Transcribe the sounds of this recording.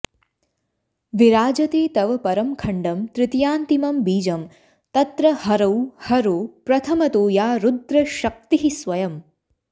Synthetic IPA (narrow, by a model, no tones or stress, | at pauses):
ʋiɾaːd͡ʒɐt̪eːt̪ɐʋɐpɐɾɐmkʰɐɳɖɐmt̪ɾɪt̪jaːnt̪imɐmbiːd͡ʒɐm | t̪ɐt̪ɾɐhɐɾɐwhɐɾoːpɾɐt̪ʰɐmɐt̪oːjaːɾud̪ɾɐʃɐk̚t̪iɦisʋɐjɐm